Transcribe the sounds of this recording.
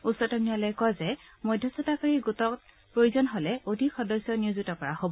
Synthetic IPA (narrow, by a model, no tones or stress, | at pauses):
usɔtɔmialɔjkɔzɛmɔjdʱɔsɔtakaɹiɡutɔk | pɹojuzɔnɦolɛodʱikxɔdɔsjɔniuzutɔkɔɹahobɔ